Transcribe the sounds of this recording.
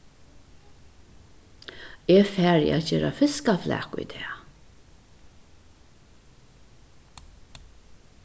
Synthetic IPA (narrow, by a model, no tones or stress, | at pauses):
ɛːfæːɹj̰ʔæ̰t̪ceːɾafɪskaflæ̰ːkʊ̰jt̪ʰɛː